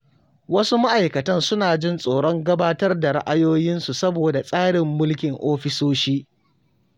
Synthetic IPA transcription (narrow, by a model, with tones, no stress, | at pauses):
wɐ˦su˦ma˦ʔa˨jkɐ˨tɐ˦nsʊ˦naː˨d͡ʒɪ˦nsʼoː˨ɽɔ˦ŋɡɐ˦baː˦tɐ˦rda˨ɽɪ̰˦ʔa˦joː˦jɪ˦nsu˨sɐ˦boː˨da˨sʼaː˦ɽɪ˨mːʊ˦lkʲɪ˨ŋʔoː˦ɸɪ˦soː˦ʃiː˦